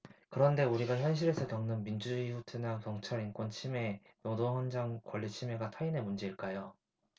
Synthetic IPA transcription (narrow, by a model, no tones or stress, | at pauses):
kɯɾʌnde̞uɾiɡaçjʌnɕ̬ʰiɾe̞sʰʌkjʌŋnɯnmind͡ʑud͡ʑuiɸutʰɯnankjʌŋt͡ɕʰaɾink͈wʌnt͡ɕʰime̞ | nodoŋhwʌnd͡ʑaŋkwʌʎːit͡ɕʰime̞ɡatʰaine̞mund͡ʑeiɭk͈ajo